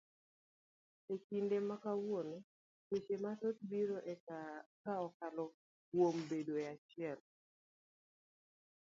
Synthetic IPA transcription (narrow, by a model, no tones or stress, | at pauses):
ekindemakawone | ket͡ʃematot̪̚biɾoʔɛkaɔkalɔ | wombedoɛat͡ʃɪɛl